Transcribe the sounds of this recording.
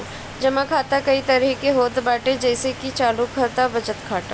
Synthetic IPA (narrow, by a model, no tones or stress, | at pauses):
d͡ʒɐmãkʰaːt̪akɐit̪ɐɾɛɦkeɦoːd̪baːʈẽd͡ʒɛːsekit͡ʃaːlukʰɐɾt̪abɐd͡ʒət̪kʰaːʈa